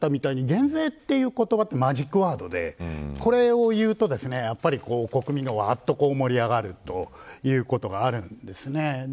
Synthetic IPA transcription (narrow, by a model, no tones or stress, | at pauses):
t̪amʲit̪aiɲ̟iɡẽ̞nze̞ːt̪ːe̞jɯ̟ːko̞t̪o̞bat̪ːe̞maʑikːɯ̟βaːd̪o̞d̪e̞ko̞ɾe̞o̞jɯ̟ːt̪o̞d̪e̞sɨne̞japːaɾʲiko̞ːko̞kɯ̟mʲĩŋɡaβaːt̪ːo̞ko̞ːmo̞ɾʲiaɡaɾɯ̟t̪o̞jɯ̟ːko̞t̪o̞ɡaːɾɯ̟̃nd̪e̞sɨne̞